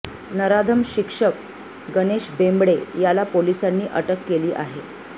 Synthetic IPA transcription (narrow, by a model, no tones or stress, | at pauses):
nəɾad̪ʱəmɕikʂək̚ | ɡəneɕbembɽejalapolisanːiːʔəʈəkːeliːʔa̰ɦe